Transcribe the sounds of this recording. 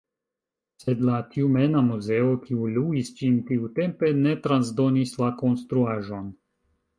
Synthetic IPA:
sɛd̪lat̪ʰiumɛnamuzɛokʰiuluist͡ʃimt̪iut̪ɛmpenɛt̪ɾanzd̪onislakonst̪ɾuaʒon

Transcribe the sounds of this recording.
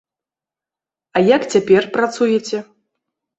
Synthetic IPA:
ɐjakt͡sʲapʲɛrpɾat̪sujɛt͡sʲɛ

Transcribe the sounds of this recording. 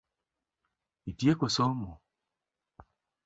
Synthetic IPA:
itiekosɔmo

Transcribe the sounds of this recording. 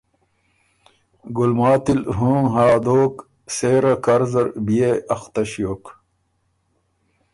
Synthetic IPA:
ɡulmaːt̪ilɦũːŋɦaːd̪oːk | seːɾɐkɐɾzɐɾbijeɐxt̪ɐɕjoːk

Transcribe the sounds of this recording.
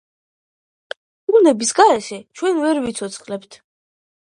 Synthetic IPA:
bunɛbisɡaɛʃɛt͡ʃʰwɛnvɛɾvit̪sʰɔt̪sʰχlɛpt̪ʰ

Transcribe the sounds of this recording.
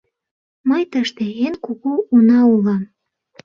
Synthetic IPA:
məjt̪əʃt̪eenkuɣuunɑulɑm

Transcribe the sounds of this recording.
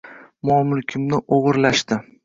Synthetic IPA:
mɒmʊlkʲʰɪmnɪʔoʁɨɾlaʃt̪ɪ

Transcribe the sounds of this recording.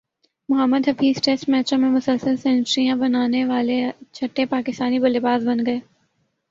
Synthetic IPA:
mʊɦəmːəd̪ɦɐfiːzʈesmɛːt͡ʃõmẽmʊsəlsəlsɛ̃ːnsɾijãbɐnaːneʋaːlet͡ʃʰɐʈːepaːkɪst̪aːnibɐlebaːzbɐnɡɐeː

